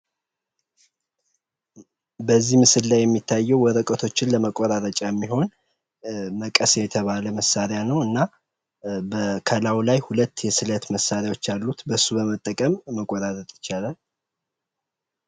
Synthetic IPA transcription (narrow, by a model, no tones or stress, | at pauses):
bəzːihmɨsɨlːajɛmːit̪ʰːajːɛwwɔɾəkʼət̪ʰo̞t͡ʃːɪnləməkʼːoɾaɾət͡ʃʼajɛmːiɦo̞n | məkʼəsjɛt̪ʰəβaləməsːaɾɪjanəwɨnːa | bəkʰəlawlajhulət̪ːjɛsɨlət̪məsːaɾjawo̞t͡ʃːalːut̪bəsːubəmət̪ʼːəkʼəmːəkʼːɔɾaɾət̪ʼɪ̥t͡ʃːalal